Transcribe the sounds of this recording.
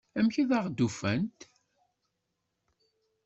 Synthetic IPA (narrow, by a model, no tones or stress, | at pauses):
æmçiðəʁd̪ufænt̪